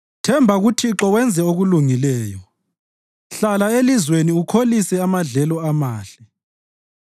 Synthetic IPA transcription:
tʰɛmbʱaɣutʰiǁɔwɛnd͡zʱɛoɣuluŋilɛːjɔ | ɬalaelizweniukʰolisɛamaɮɛlɔamaːɬɛ

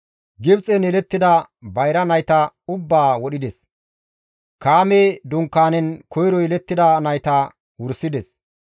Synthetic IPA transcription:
ɡɪbt͡sʼɛnɛlɛt̪ːɪd̪ɐ | bɐjɾɐnɐjt̪ɐʊbːaːwɔɗɪd̪ɛs | kaːmeːd̪ʊŋkːaːnɛnkʰɔjɾɔjɛlɛt̪ːɪd̪ɐnɐjt̪ɐ | wʊɾsɪd̪ɛs

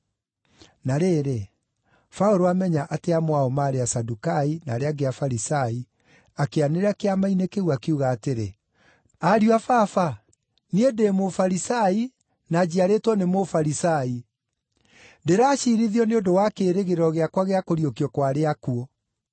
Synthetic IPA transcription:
naɾeɾe | faoɾoamɛɲaʔateamowaɔmaɾeasadukaina̰ːɾeaɡeafaɾisai | akeaneɾeakeamainekeɣwakeuɣaːteɾe | aɾjwafafa | niedemofaɾisai | nad͡ʑiaɾetwɔnemofaɾisai | deɾaːɕiɾiðiɔneodowakeːɾeɣeɾɔɣeakwaɣeakoɾiokiɔkwaɾeakuo

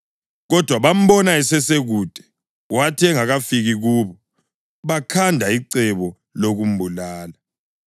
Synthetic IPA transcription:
ɣɔd̥ʱwaβam̩bɔnaɛsɛseɣuːd̥ʼʱɛ̥ | watʰɛŋaɣafiɣiɣuːβɔ | βakʰandʱaiǀɛβɔ | loɣum̩bʱulaːla

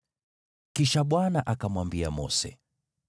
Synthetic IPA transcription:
kiʃaɓwanaʔakamwambiamɔ̰sɛ̰

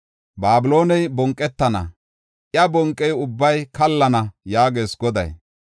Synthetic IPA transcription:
baːbɪlo̞ːnɛjbɔŋkʼːɛt̪ːɐnɐ̰ | ʔjɐbɔŋkʼːɛjʊbːɐjkɐlːɐnɐjaːɡeːsɡɔd̪ɐ̰j

